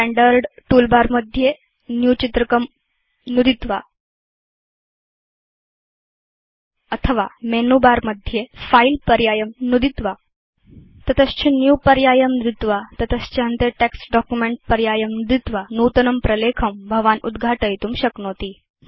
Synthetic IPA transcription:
ʈɛ̃ɳɖəɾɖʈulbaɾməd̪ʱje | njut͡ɕit̪ɾəkəm | nud̪it̪ʋa | ət̪ʰəʋamenubaɾməd̪ʱjefailpəɾjajəmnud̪it̪ʋa | t̪ət̪əst͡ɕʰinjupəɾjajəmnɾit̪ʋat̪ət̪əst͡ɕeənt̪eʈeksɖɔkjumeɳʈ̚pəɾjajəmnud̪it̪ʋanut̪ənəmpɾəlekʰəmbʱəʋanṵd̪ɡʱaʈəjt̪uːmɕəknot̪iː

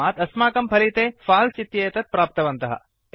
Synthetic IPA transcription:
aːt̪ɐsmaːkɐmpʰɐlit̪eːfaːlt͡ʃit̪jeːt̪ɐt̪̚pɾaːp̚t̪ɐʋɐnt̪ɐɦɐ̰

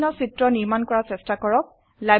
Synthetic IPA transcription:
nɔsitɹɔniɹmankɔɹasɛstakɔɹɔk̚ | la

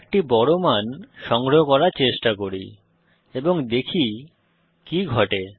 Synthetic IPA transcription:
k̚ʈibɔɽomanʃɔŋɡɾoɦokɔɾaɾt͡ɕeʃʈakoɾḭ | eboŋd̪ekʰi | kiɡʱɔʈe

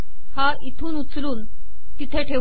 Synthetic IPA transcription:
ha | it̪ʰuːnut͡sluːn | t̪it̪ʰeʈʰe

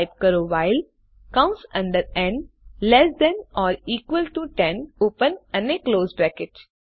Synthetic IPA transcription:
ɪʋkəɾoːʋaɪl | kʌ̃msʌ̃ɳɖəɾɛ̃ɳɖlɛsd̪ɛ̃nɔːɾiːkʋəlʈuʈɛ̃noːpə̃nə̃nekloːzbɾækɪʈ

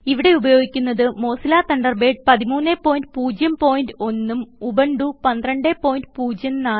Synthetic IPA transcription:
iʋiɽe̞ubɐjo̞ːɡikʲːunːɐðɨmo̞ːsilaːt̪ɐɳɖɐrbe̞ːɖ̚pɐðimuːnːepːo̞ːjinɖɨpuːd͡ʑjɐmpo̞ːjindɨo̞nːumubɐɳɖupɐnd̪rɐɳɖeːpːo̞ːjinɖɨpuːd͡ʑjɐmnaː

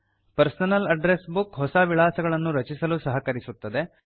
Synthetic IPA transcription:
pɐɾsɐnɐlɐɖɾesbukɦɔsɐʋiɭaːsɐɡɐɭɐnːuɾɐt͡ʃisɐlusɐɦɐkɐɾisut̪ːɐd̪e̞

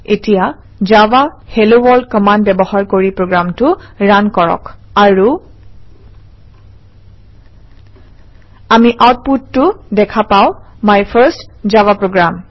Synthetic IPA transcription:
etija | zawahelowɔɹdkɔmandbɛbɔhaɹkoɹipɹoɡɹamtʊɹankɔɹɔ̰kaɹu | amiʔawt̚putːʊdɛkʰapaʊ̃majpʰəɹstzawapɹoɡɹam

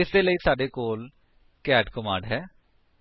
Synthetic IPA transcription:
ɪseːləiːsaːɖeːkoːl | kɛːɖkɔmã̰ːɳɖɦɛː

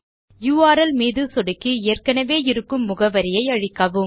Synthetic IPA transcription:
juːaːɾɐlmiːðɯsɔɽɪkːieːrkɐnɐʋeːɪɾɯkːɯmːʊɣɐʋɐɾɪjɐɪɐɻɪkːaːʋɯm

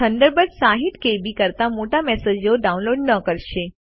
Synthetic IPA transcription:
ənd̪əɾbət̪saɦit̪kebikəɾt̪amoʈamɛsed͡ʒjoɖaũnloɖnəkəɾʃe

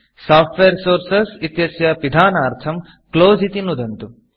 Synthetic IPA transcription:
saːfʈʋeːɾsoːɾsɐsit̪jɐsjɐpid̪ʱaːnaːɾt̪ʰɐm | kloːzit̪inud̪ʱɐnt̪u

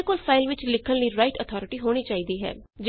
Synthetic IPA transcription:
koːlpʰaːɪlʋɪt͡ʃlɪkʰːənləiːɾaːɪʈət̪ʰɔːɾɪʈiːɦoːɽ̃iːt͡ʃaːiːd̪iːɦɛ̰ːd͡ʒ

